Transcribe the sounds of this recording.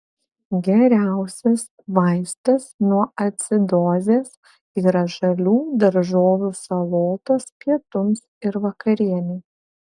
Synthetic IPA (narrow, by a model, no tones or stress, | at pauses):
ɡʲɛɾʲæˑʊsʲɛs | ʋɐɪst̪ɐsnuɔɐt̪ʲsʲɪd̪oːzʲeːs | iːɾɐʒɐlʲuːd̪ɐɾʒoːʋʲuːsɐlˠoːt̪oːspʲiɛt̪ʊmsɪɾʋɐkɐɾʲiɛnʲeː